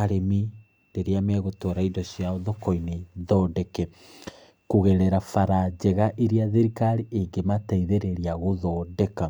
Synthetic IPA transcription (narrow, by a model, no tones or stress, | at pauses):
ɾemi | deɾeameɣotoɾaidɔsjaoðokɔineðɔdɛkɛ | kuɣɛɾɛɾafaɾad͡ʑɛɣaʔiɾiaðeɾikaɾiʔeŋɡemataiðeɾeɾiaɣoðɔdɛka